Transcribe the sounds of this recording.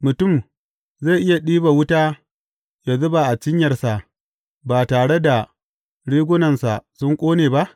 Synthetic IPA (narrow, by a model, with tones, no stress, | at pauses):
mʊ˨tʊ˦˨m | ze˦˨ʔɪ˦ja˨ɗiː˦ba˨wʊ˦taː˦ | ja˨zʊ˦ba˨ʔa˨t͡ʃɪ˦ɲjɐ˨rsa˨ʔ | baː˨taː˨ɽe˦da˨ | ɽiː˦ɡʷʊ˦nɐ˨nsa˨sʊ˦ŋkʷʼoː˦neː˨ba˦ʔ